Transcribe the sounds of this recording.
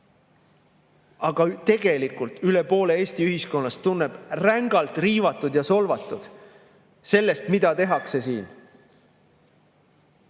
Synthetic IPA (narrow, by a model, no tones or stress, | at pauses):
ɑɡ̥ɑt̪e̞ɡ̥e̞likult̪yle̞po̞ːle̞eːsʲt̪iyɦisko̞nːɑst̪unːeb̥ræŋɡ̥ɑlt̪ˑriːvɑt̪ːˑud̪̥jɑso̞lvɑt̪ːˑud̪̥ | se̞lːe̞st̪mid̪̥ɑt̪e̞ɦɑkse̞siːn